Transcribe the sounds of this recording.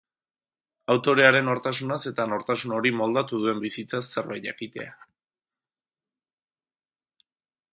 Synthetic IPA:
awt̪o̞ɾe̞aɾe̞no̞ɾt̪asunase̞t̪ano̞ɾt̪asuno̞ɾimo̞ld̪at̪uð̞ue̞mbisit͡sasːeɾβaja̰kit̪e̞̰a

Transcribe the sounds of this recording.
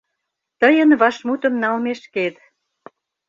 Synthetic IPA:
t̪əjənβɑʃmut̪ə̆mnɑlmeʃket̪

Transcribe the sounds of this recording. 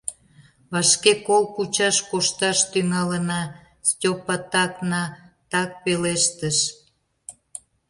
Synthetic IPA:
βɑʃkekolkut͡ɕɑʃkoʃt̪ɑʃt̪yŋɑlənɑ | stʲopɑt̪ɑknɑt̪ɑk̚peleʃt̪əʃ

